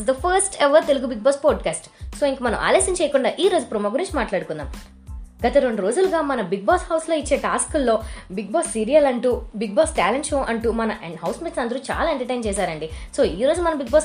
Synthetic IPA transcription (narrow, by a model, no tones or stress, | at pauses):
sd̪ɐpʰɐɾsʈeʋɐɾt̪eluɡubiɡ̚baːspɔːɖkaːsʈso̞ːiŋkɐmɐnɐ̰mʔa̰ːlɐːsɐmt͡ʃɛːjɐkuɳɖaːʔiːɾo̞ːd͡ʒupɾumɐɡuɾiɲt͡ʃimaːʈlaːɽukund̪a̰ːm | ɡɐt̪ɐɾoɳɖuɾo̞ːd͡ʒuluɡaːmɐnɐbiɡ̚baːshɐwslo̞ːit͡ʃːeːʈaːskulːo̞ːbiɡ̚baːsːiːɾijɐlɐɳʈuːbiɡ̚baːsʈaːleɳʈʃoːʔɐɳʈumɐnɐʔɦɐwsmiʈsɐnd̪ɐɾuːt͡ʃa̰ːlaːeɳʈɐʈɐjnt͡ʃɛːsaːɾɐɳɖisoːiːɾoːd͡ʒumɐnɐbiɡ̚baːs